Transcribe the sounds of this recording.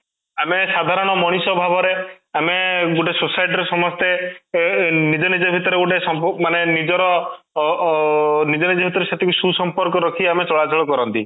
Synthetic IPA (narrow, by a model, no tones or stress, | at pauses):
amesad̪ʱaɾɔɽ̃ɔmɔɽ̃isɔbʱabʱɔɾe | ameɡuʈesusajʈɾesɔmɔst̪e | nid͡ʒɔnid͡ʒɔbʱit̪ɔɾeɡuʈesɔmmanenid͡ʒɔɾɔ | nid͡ʒɔnid͡ʒɔbʱit̪ɔɾesat̪ʰikususɔmpɔɾkɔɾɔkʰiamet͡ʃɔɭad͡ʒʰʱɔɭɔkɔɾɔnt̪i